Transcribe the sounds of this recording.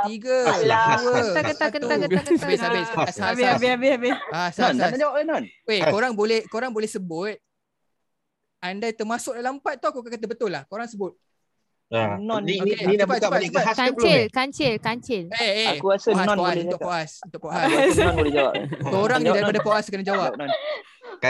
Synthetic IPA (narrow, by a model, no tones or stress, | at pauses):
t̪iɡəlawəaət̪akəakəabsabɪsasababɪabɪabɪpaasadʔnɔnwekoɾaŋbolɛhkoɾaŋbolɛhsəbʊt̪̚ | andat̪ərmasʊk̚dalampat̪̚ːawkokaʔkat̪abət̪ʊlːahkoɾaŋsəbʊt̪̚ | nɔnokeap̚basəbaapt͡ʃɪlkaɲt͡ʃɪlkaɲt͡ʃɪleekuasaspoasunʊkpoasunt̪ʊk̚poʔaɔnbolɛd͡ʒawa̰pkoɾaŋidaɾipadapoʔaskənad͡ʒawapnn | k